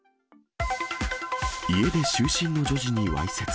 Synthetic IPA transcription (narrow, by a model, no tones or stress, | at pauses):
ie̞d̪e̞ɕɨːɕĩnːo̞d͡ʑo̞ʑiɲ̟iβa̰iset͡s